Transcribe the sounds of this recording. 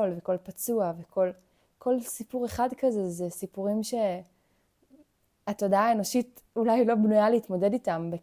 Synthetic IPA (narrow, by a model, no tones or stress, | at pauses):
olveko̞lpat͡suavekʰo̞l | kʰo̞lsipuʁe̞χadkazezesipuʁimʃe̞ | ato̞daːeno̞ʃit | ulajlo̞bnujaleitmo̞de̞ditambe